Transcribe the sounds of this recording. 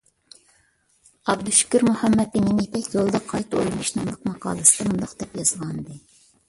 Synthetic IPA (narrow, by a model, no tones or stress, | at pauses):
ɑbd̪uʃi̥kʲiɾmuhɑmːɛt̪̚bininip̪ʰɛkʲjolˠd̪ɑqʰɑjt̪olʲmiʃnɨŋlˠəqmɑqɑ̰ːlˠɨsɨlˠɨmund̪ɑqd̪ɛpjɑzʁɑnd̪ɨ